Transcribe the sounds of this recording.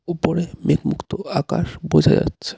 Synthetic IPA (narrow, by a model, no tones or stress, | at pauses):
upoɾemet̪mukt̪oaka̰ʃbod͡ʑʱad͡ʑa̰tːɕʰe̥